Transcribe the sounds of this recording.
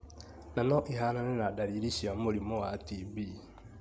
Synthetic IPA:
nanɔʔiɦananɛnadaɾiɾiʃiamoɾimoatibi

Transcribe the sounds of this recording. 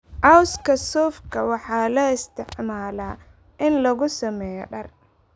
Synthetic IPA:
ʕɑwskʰɐsɔːfkʰɐwɑħɑːlɐɪst̪ʰɪʕmaːlaː | ʔɪnlɐɣʊsɐmɛːjɔ̰ɖɐr

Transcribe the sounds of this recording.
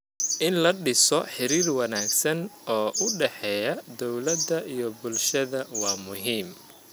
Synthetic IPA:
ʔɪnlɐɖɪsɔħɪɾiːrwɐnaːɡsɐnɔːʔʊɖɛħɛːjɐd̪ɔwlɐd̪ɐʔijɔbʊlʃɐðɐwɑːmʊɦiːm

